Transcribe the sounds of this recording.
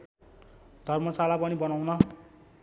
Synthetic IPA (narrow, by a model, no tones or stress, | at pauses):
d̪ʱʌrmʌsalapʌnibʌnawnʌ